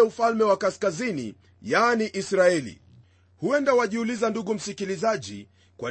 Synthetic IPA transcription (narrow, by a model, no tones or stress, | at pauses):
ɛufalmɛwakaskazinḭ | janiʔisɾaɛlḭ | huɛndawaʄiulizanduɠum̩sikilizaʄḭ | kwa